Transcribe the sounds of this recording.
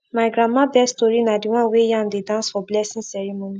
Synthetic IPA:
majɡɾãmãbɛstoɾinãdiw̃ãwejãñ̩dedãnsfɔblɛsĩsɛɾimõnĩ

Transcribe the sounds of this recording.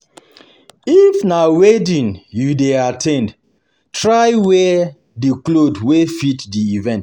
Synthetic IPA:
ifnawedĩnjudeatʰɛ̃nd | tɹajwɛ | diklodwefitdiivɛ̃nt

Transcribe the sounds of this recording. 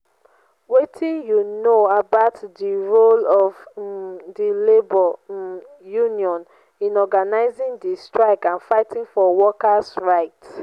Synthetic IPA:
wetʰĩnjunoabaʊtdiɹolɔv | dilebɔ | juniɔ̃n | ĩnɔɡanaɪzĩŋdistɹaɪkãnfaɪtĩŋfɔwɔkasɹaɪt

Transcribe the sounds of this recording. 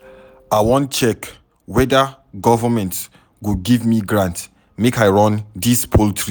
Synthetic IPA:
aɪwɔ̃ntt͡ʃɛk | wɛda | ɡɔvamɛ̃nt | ɡuɡivmiɡɹãnt | mekaɪɹɔ̃ndispʰoltʰɹi

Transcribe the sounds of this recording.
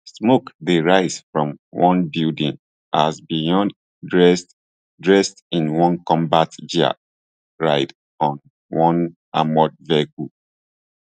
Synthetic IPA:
smokdeɹaɪz̥fɹɔ̃mwɔ̃nbildĩŋn | ʔazbijɔ̃nd | ɹɛs | dɹɛstĩnwɔ̃nkɔ̃mbatd͡ʒa̰ | ɹa̰ɪd | ɔ̃n | wɔ̃n | amɔd̚vɛku

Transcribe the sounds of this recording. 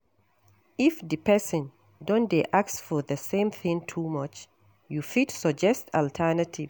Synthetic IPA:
ifdipɛsə̃n | dɔ̃ndeʔaksfɔðəsẽmθɪ̃ŋtʰumʌt͡ʃ | jufitsɔd͡ʒɛstʰaltʰɛnətʰiv

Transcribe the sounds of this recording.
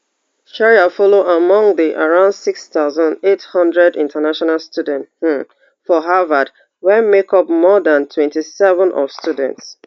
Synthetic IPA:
ʃaɹiafɔloʔamɔ̃ŋðiʔaɹãʊ̃ndsikst̪aʊzãndethʌ̃ndɹɛdĩntʰanaʃɔnalstudɛ̃nt̩ | fɔɦavad | wɛmekɔp̚mɔdãntʰwɛ̃ntisɛvə̃nʔɔ̰v̥stjudɛ̰̃nts

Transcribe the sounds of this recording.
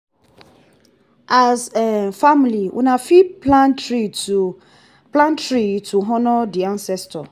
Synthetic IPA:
ʔazefamliwʔṵnãfiplantɾi | plãntɹitʰuɦɔ̃nɔdiãnsɛstʰɔ

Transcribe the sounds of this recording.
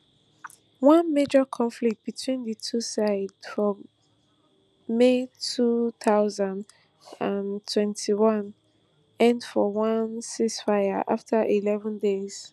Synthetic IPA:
wʌ̃nmed͡ʒəkʰɔ̃ɱflik̚t̚b̥itʰwĩnðɨtʰusaɪdfɹɔ̃m | etʰuθaʊzãnd | ãntʰwɛ̃ntʰiwãn | ɛ̃ndfɔwãnsisfaɪəʔaftʰəʔilɛvə̃ndez̥

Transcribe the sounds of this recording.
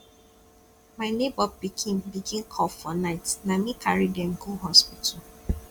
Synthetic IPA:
maɪnebɔbikʰĩmbikʰĩŋkʰɔfɔnaɪtnamikʰaɹidɛm̩ɡuɦɔspitʰɔ

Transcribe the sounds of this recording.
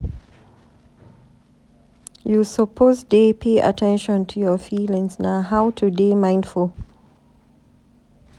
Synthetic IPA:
jusəpʰozdepʰeʔa̰tʰɛ̃nʃɔ̃ntʰujɔfiːlɪ̃ŋznaɦaʊtʰudemãɪ̃ndful

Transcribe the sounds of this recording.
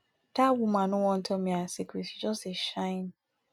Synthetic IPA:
tʰawumãnʊ̃wɔ̃n̩tʰɔmĩasikɾitʃid͡ʒɔsteʃãɪ̃n

